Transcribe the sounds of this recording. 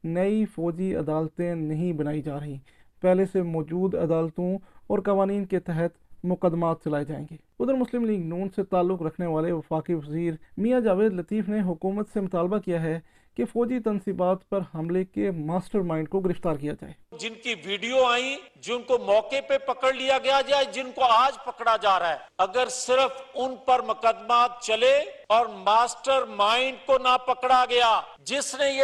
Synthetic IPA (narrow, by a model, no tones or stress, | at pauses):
nɐifɔːd͡ʒiɐ̰d̪aːlt̪ẽnɐɦĩbɐnaːid͡ʒaːɾɐɦĩː | pɛɦlesemɔːd͡ʒuːd̪ɐ̰d̪aːlt̪õɔːɾkɐʋaːniːnket̪ɛɦət̪mʊkəd̪ːmaːt̪̚t͡ʃɐlaːed͡ʒaːḛ̃ːŋɡeːʊd̪əɾmʊslɪmliːɡnuːnset̪aːlːʊkɾəɐkʰneʋaːleʋɐfaːkiʋəziːɾmijad͡ʒaːʋeːd̪lət̪iːfʰneɦʊkuːmət̪semʊt̪aːlbakijaɦɛ | kefɔːd͡ʒit̪ənsiːbaːt̪pɐɾɦɐmlekemaːsʈəɾmãːɪɳɖkoɡɪɾɪft̪aːɾkijad͡ʒa̰ːeːd͡ʒɪnkiʋiːɖijoaːĩd͡ʒɪnkomɔːkepepɐkəɽlijaɡɐjad͡ʒaːed͡ʒɪnkoaːd͡ʒpɐkɽad͡ʒaːɾaɛːɐɡəɾsɪɾəfʊnpɐɾmʊkəd̪maːt̪̚t͡ʃɐleɔːɾmaːsʈəɾmaːɪɳɖkonapɐkɽaɡɐjaː | d͡ʒɪsnej